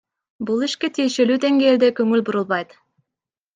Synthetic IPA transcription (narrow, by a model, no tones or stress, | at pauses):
bulˠiʃke̞t̪ʰije̞ʃe̞lyːd̪e̞ŋɡeːld̪ekɵŋylbuɾulˠβɑjt̪